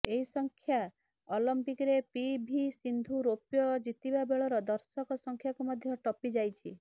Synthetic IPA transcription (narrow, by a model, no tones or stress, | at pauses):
eɦisɔŋkʰja | ɔlɔmpikɾepibʱisind̪ʱuɾopjɔd͡ʒit̪ibabeɭɔɾɔd̪ɔɾsɔkɔsɔŋkʰjakumɔd̪ʱjɔʈɔpid͡ʒajt͡ʃʰi